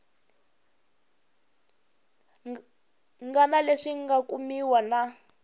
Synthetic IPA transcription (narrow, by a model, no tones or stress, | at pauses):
ŋɡanaleʂiŋɡakumiwana